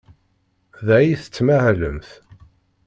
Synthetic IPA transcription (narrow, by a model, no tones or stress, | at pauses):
ðæjiθə̥t͡sːmæhləmθ